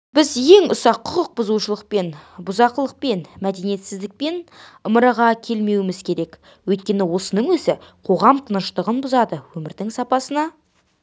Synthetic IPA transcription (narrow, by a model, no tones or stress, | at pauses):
b̥ɪzje̞ŋʊ̰sɑqʰːʊqəq̚bʊzuʃəlˠəq̚pe̞nbʊzɑqəlˠəq̚pe̞nmæd̪e̞nije̞t̪sɪzd̪ɪk̚pe̞nəməɾɑʁɑkʲʰe̞lme̞wɪmɪzkʲʰe̞ɾe̞k | wɵjt̪̚kʲe̞nɪwo̞sənəɴwɵzɪqʰo̞ʁɑmt̪ʰənəʃt̪əʁənbʊzɑd̪əwɵmɪɾd̪ɪŋsɑpɑsənɑ